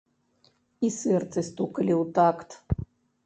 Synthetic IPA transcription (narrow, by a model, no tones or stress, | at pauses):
isɛrt̪sɨst̪ukɐlʲiwt̪akt̪